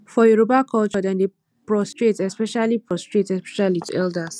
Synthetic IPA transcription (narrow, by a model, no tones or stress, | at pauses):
fɔjuɹobakʰɔlt͡ʃɔdɛ̃nde | pɹɔstɹetɛspɛʃalipɹɔstɹetɛspɛ̥ʃalituɛldas